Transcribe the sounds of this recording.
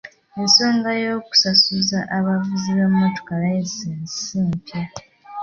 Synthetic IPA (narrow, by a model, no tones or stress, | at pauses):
enso̞ːŋɡajo̞ːku̥sasuzaʔaβavuziβammoto̥kalaeseːnsiːmpja